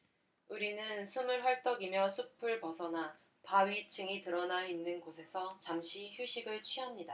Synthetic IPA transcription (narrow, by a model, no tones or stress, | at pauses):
uɾinɯnsʰumɯɭɦʌɭt͈ʌɡimjʌsʰupʰɯɭpʌsʰʌna | paɥit͡ɕʰɯŋitɯɾʌnainːɯnɡosʰe̞sʰʌt͡ɕamɕʰiçuɕʰiɡɯɭt͡ɕʰɥiɦamɲida